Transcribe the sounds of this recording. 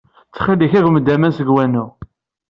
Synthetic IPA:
t͡sːχilːiçæɡməd̪ːæmænsəɡwænu

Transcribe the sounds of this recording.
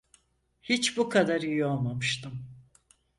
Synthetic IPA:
hit͡ʃbukʰad̪aɾijoalˠmamɯʃt̪ʰɯm

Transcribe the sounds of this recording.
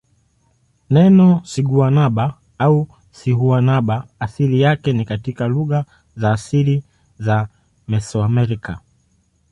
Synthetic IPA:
nɛnɔsiɠuanaɓa | au | siɦuanaɓaːsilijakɛnikatikaluɣa | zaːsili | za | mɛsɔamɛɾika

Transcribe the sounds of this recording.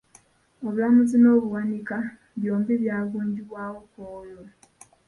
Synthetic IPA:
oβulamuzino̞ːβuwanika | βjo̞ːmbiβjaːβuːɲɟiβwaːwokojo

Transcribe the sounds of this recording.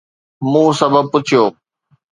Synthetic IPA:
mũːsɐbʱəb̚pʊt͡ʃʰijoː

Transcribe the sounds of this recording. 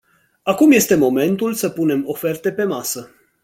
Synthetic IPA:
akumje̞st̪e̞mo̞me̞nt̪ulsəpune̞mo̞fe̞rt̪e̞pe̞masə

